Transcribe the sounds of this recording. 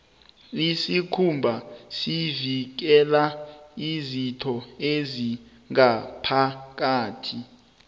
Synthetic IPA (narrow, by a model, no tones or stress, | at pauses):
isikʰumbʱasivik̬ɛlaizitʰɔezi | ŋapʰak̬aːtʰi